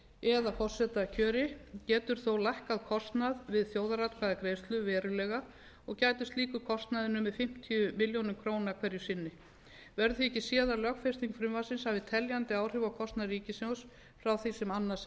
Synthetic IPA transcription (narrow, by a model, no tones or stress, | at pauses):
ɛðafɔr̥sɛt̪acʰœːɾɪcɛːt̪ʏɾ̥θowlajhkaðkʰɔst̪naðvɪðθjoːwðaɾat̪kʰaðakɾeːjst̪lʏvɛːɾʏlɛːɣa | ɔɣcaːjt̪ʏst̪liːkʏɾkʰɔst̪naðɪnʏmɛðfɪm̥t̪ʰiʏmɪljownʏmkʰɾoːwnaɾkʰvɛɾjʏsɪnːɪ | vɛɾðʏθiɛcɪsjɛːðaɾlœkfest̪iŋkfɾʏmvasɪnsavɪðt̪ʰɛljant̪ɪaːwr̥ʏvawkʰɔst̪naðɾiːcɪsɛws | fɾawθisɛmanːas